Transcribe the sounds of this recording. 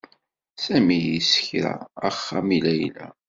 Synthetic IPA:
sæmijisə̥çɾæ̰əχːamilæjlæ̰

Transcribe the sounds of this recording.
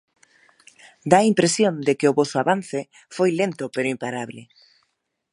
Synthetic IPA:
d̪aimpɾesjond̪ɪkɪʊβɔsʊaβan̟θɪ | fojlent̪ʊpeɾʊimpaɾaβlɪ̰

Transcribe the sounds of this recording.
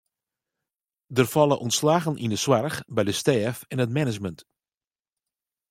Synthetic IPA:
dərfɑlˠəʔɔntslaːɣənʔḭndəswarxbɛjdəstɛːfɛnət̚mɛnəd͡ʒmənt

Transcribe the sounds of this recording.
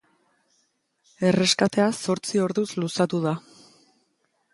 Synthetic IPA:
e̞re̞skat̪e̞aso̞ɾt͡sio̞ɾðuzlusat̪uða

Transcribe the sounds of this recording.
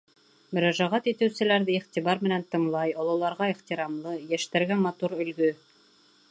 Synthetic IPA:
mɵ̆ɾæʒæʁæt̪it̪ɘ̆wsɘ̆læɾðɘiχt̪iβɑɾmɘ̆nænt̪ɤ̆ɴlˠɑjŏlˠŏlˠɑɾʁɑiχt̪iɾɑmlˠɤjæʃt̪æɾɡæmɑt̪uɾɵ̆lɡɵ

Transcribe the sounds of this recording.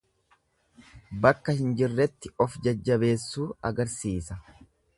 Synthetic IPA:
bɐkːɐhɪnd͡ʒɪrːɛt̪ːɪɔfd͡ʒɐd͡ʒːɐbe̞ːsːuːɐɡɐɾsiːsɐ

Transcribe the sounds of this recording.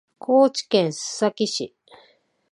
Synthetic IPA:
kʰoːt͡ɕi̥kẽnsɨ̥sakiɕi

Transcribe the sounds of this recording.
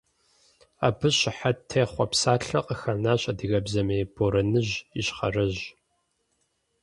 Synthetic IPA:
a̰ːbɨɕɪħatʰːeːχʷɔpsaːɬɐqʼəxɐnaːɕʼɐdɨɣɐbzɐmeːbʰoɾɐnɨʒiɕχɐ̰rɐʑ

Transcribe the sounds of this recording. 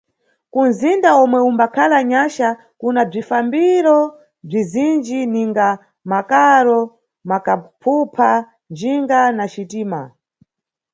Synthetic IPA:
kunzindaɔmwɛumbakʰalaɲaʃa | kunab͡ʐifambiɾɔ | b͡ʐizind͡ʒiniŋɡa | makaɾɔ | makapʰupʰa | nd͡ʒiŋɡanat͡ʃitiːma̰

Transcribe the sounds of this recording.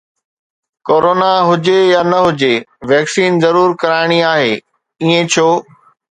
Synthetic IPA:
koːɾoːnaɦʊd͡ʑejaːnɐɦʊd͡ʑeʋɛːksiːnzɐɾuːɾkɐɾaːɪɽ̃iaːɦeː | iẽt͡ɕʰoː

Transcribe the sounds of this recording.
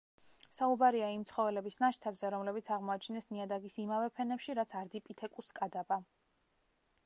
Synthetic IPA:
saubaɾiaimt̪sʰχɔvɛlɛbisnaʃt̪ʰɛbzɛɾɔmlɛbit̪sʰaʁmɔat͡ʃʰnɛsniad̪aɡisimavɛpʰɛnɛpʃiɾat̪sʰaɾd̪ipʼit̪ʰɛkʼuskʼad̪aba

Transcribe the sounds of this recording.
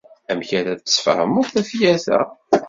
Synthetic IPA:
æmçæɾæðəsfhə̰mʊɾθæfjæθæ̰

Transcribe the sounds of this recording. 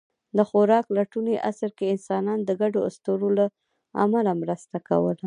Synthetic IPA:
d̪əxoɾɑklaʈuneʔasəɾkeɪnsɑnɑnd̪əɡaɖoa̰st̪oɾola | a̰malamɾəst̪aka̰wəla

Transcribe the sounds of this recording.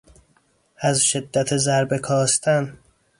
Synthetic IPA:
æzʃe̞d̪ːæt̪ʰezæɾbe̞kʰɒːst̪ʰæn

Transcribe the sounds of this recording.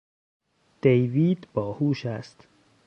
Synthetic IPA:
d̪̥ejviːd̪bɒːhuːʃæst̪

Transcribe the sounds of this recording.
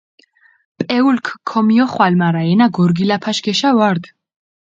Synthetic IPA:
pʼɛulkʰkʰːɔmiɔχwalmaɾaɛnaɡɔɾɡilapʰaʃɡɛʃavaɾd̪

